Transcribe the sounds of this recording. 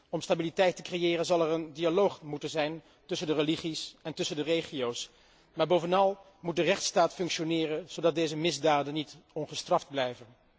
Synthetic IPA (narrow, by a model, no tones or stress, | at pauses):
ɔmstabilitɛjtəkrejɪːrənzɑlˠɛrəndialowχmutənzɛjn | tɵsəndərəliχisɛntɵsəndərejχijows | maːɹbowvənɑlˠ | mut̚dərɛχtstaːtfɵŋkʃonɪːrənz̥owdɑt̚dejzəmɪzdaːdənːitɔnχəstrɑfd̚blɛjvən